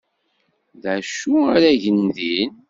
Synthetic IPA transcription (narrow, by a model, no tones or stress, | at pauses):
ðæʃuaɾæʝənðin